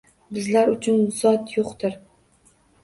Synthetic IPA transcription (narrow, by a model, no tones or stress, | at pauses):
bɪzlaɾʊt͡ʃʰʊnzɒt̪joqt̪ɪɾ